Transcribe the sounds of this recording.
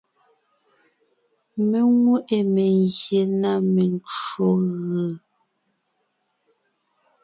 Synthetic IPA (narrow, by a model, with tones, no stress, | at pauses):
me˨ŋwu˦ʔe˨me˨ŋɣje˨na˦˨me˨n˦t͡ʃo˨ɣə˨